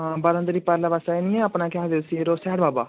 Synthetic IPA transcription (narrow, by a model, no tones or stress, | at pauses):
baɾə̃nd̪ɾiːpəɾlaʋasaːenĩɛ̃apnãːkɪaːd̪esiɾoːsɛːɽbaːba̰ː